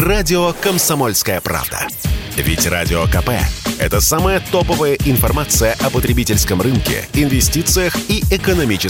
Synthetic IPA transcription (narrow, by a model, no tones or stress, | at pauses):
radʲɪokəmsɐmolʲskəjəpɾa̰vd̪ə̰vʲɪ̰tʲra̰dʲɪokɐpɛ̰ɛ̰t̪əsaməjət̪opəvəjəʔɪnfɐrmat̪sɨjəʔɐpət̪ɾʲɪbʲitʲɪlʲskəmrɨnkʲɪ̰ɪnvʲɪsʲtʲit̪sɨjəxiɪkənɐmʲit͡ɕɪ